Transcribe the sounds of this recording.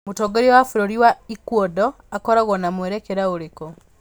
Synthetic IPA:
mutoɡoɾiwafuɾoɾiwaikwodo | akoɾaɣonamweɾekeɾaoɾeko

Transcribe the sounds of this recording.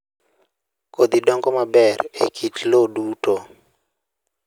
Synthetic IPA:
kod̪idɔŋɡɔmabɛrekʰitloduto

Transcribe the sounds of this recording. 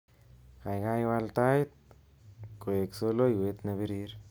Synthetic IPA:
kajɡajwalt̪ajt̪̚ | kojeksolojwet̪naβiɾiɾ

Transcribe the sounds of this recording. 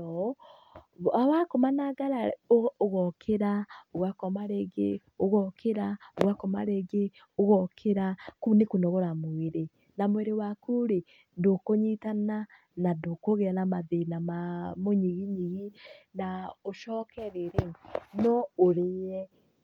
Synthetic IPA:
ɔ | awakomanaɡaɾaoɣɔkʰeɾaoɣwakɔmaɾeɡḛ | oɣɔkʰeɾaoɣwakɔma̰ɾeɡe | oɣɔkʰeɾakunekunɔɣoɾamweɾe | namwɛɾewakuɾe | ndokoɲitana | nadokoɣeanamaðenamamoɲiɣiɲiɣinaoʃɔkɛɾeɾenɔoɾeɛ

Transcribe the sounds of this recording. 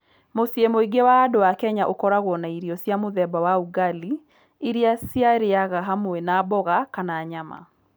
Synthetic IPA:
mosjemoiɡewaːdowakɛɲaʔokɔɾaɣwɔnaiɾiɔsjamoðɛbawauɡali | iɾiasjaɾeaɣaɦamoɛnabɔɣakanaːɲama̰

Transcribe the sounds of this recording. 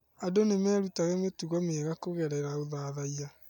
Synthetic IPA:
adonemɛːɾutaɣɛmetuɣɔmeːɣakoɣɛɾɛɾaoðaðaia

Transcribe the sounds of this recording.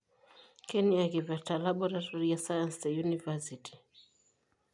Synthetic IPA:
kɛniakivatalaɓɔɾatɔɾiasajansdɛjunivasiti̥

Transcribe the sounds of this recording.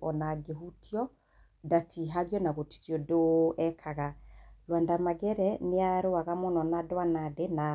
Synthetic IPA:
ɔnaɡeɦutʰiɔ | datʰiɦaɣjɔnaɣoti̥tjɔdoɛkʰaɣalwandamaɣɛɾɛneaɾoaɣamɔnɔnadwanadena

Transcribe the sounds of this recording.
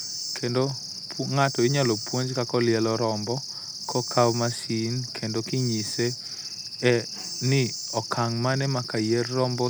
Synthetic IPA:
kʰendo | pŋatɔɪɲalɔpwoɲd͡ʒkakɔlɪɛlɔɾɔmbɔ | kʰɔkʰawmasinkʰendokiɲise | ɛ | nɪ | ɔkʰaŋmanɛmakajɛrːɔmbɔ

